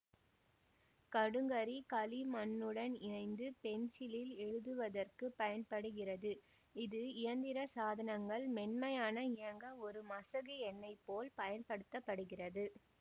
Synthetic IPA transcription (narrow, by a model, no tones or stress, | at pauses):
kɐɽɯŋɡɐɾikɐlimɐnːɯɽɐnɪnɐɪnd̪ɯpɛnt͡ʃɪlɪlɛɻɯðɯʋɐðɐrkɯpːɐjɐnpɐɽɯɣɪrɐðɯ | ɪðɯɪjɐnd̪ɪɾɐsaːðɐnɐŋɡɐɭmɛnmɐjaːnɐɪjɐŋɡɐɔɾɯmɐsɐɣɐɛnːɐɪpːoːlpɐjɐnpɐɽɯt̪ːɐpːɐɽɯɣɪrɐðɯ